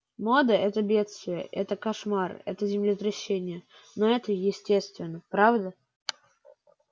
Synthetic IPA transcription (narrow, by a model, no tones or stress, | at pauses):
mod̪əʔɛt̪əbʲe̞t̪st̪vʲɪjə̰ʔɛt̪əkɐʂmarɛ̰t̪əzʲɪmlʲɪt̪ɾɐɕːenʲɪjə | noɛt̪əjɪsʲtʲest̪vʲɪnːəpɾavd̪ə